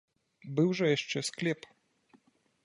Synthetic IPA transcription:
bɨwʐɐjaʂt͡ʂɛsklʲɛp

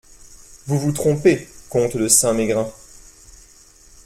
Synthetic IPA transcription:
vuvut̪χɔ̃pekɔ̃t̪ləsɛ̃meɡʁɛ̃

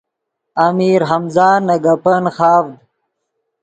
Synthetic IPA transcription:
amiːɾɦɐmzaːnɐɡɐpɐnxaːvd̪̚

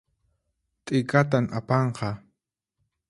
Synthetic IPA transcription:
t̪ʼɪkat̪̬amapɑɴqɑ

